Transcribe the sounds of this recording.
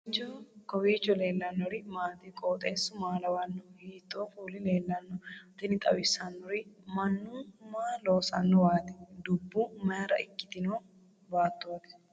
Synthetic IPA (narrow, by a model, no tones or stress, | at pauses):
t͡ʃːɔkɔwiːt͡ʃːɔle̞ːlːɐnːɔɾɪmaːt̪ikʼoːt̪ʼeːsʊmaːlɐwɐnːɔhiːt̪ʼːoːfuːlɪle̞ːlːɐnːɔt̪ɪnɪt̪ʼɐwɪsɐnːɔɾɪmɐnːumaːloːsɐnːɔwaːt̪ɪd̪ʊbːuːmɐjɾɐ̰ɪkːɪ̥t̪ɪnoː | baːt̪ːot̪ɛ̥